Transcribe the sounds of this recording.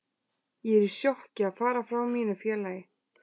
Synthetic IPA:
jɛɛɾɪɾ̥sjɔhcɪaðfaːɾafɾawmiːnʏfjɛːlajɪ

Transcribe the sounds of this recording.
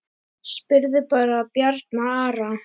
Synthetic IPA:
spɪɾðɪpaːɾapjaɾt̪̚naaːɾa

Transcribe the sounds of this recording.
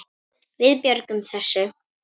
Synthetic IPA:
vɪðpjœɾkʏmθɛsːʏ

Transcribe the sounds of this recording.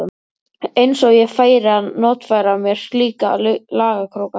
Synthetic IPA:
ʏm | ejnsɔɣjɛɣfaːjɾɪanːɔːt̪fajɾamjɛɾ̥st̪liːkallaːɣakʰɾoːwka

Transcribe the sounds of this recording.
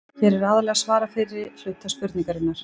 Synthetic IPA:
çɛɾɛɾaðaɾlɛɣasvaːɾafɪɾɪflʏt̪ːaspʏɾt̪niŋkaɾɪnːaɾ̥

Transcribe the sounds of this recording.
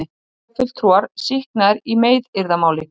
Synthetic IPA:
ɪ | fɪl̥t̪ʰɾuaɾ̥sihknaɪɾimeːjðɪɾðamaːwlɪ

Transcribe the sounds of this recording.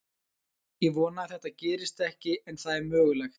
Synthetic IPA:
jɛvɔːnaθɛht̪acɛːɾɪst̪ɛhcɪɛnθaðɛɾmœːɣlɛxt̪

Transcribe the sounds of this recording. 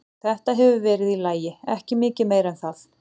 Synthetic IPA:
θɛht̪aɦɛvʏvɛːɾɪðilaːjɪɛ̰hcɪmɪːcɪmeːjɾɛnθal

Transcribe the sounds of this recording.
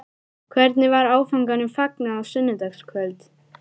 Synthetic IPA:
kʰvɛɾt̪nɪvaɾaːwfaŋkanʏmfaknaːwsʏnmːɪt̪axskʰvœlt̪

